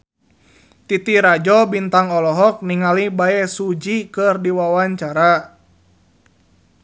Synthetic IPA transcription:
t̪it̪iɾad͡ʒɔbint̪aŋɔlɔɦɔk̚niŋalibaɛsud͡ʒikɨrdiwawaɲt͡ʃaɾa

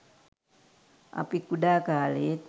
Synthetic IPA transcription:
ʔa̰pikudakalit̪̚

